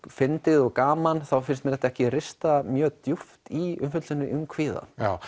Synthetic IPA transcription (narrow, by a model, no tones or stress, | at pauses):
fɪnt̪ɪðɔɣkaːmanθawfɪnɪsmɛɾɛht̪aɛhcɪrɪst̪amjœːt̪juft̪iʏnfʏt̪sɪnːʏʔʏmkʰviːða̰aː